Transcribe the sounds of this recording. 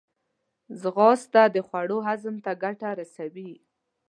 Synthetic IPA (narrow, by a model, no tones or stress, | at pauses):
zɣɑst̪ad̪əxwaɽoɦazəmt̪aɡaʈaɾasawi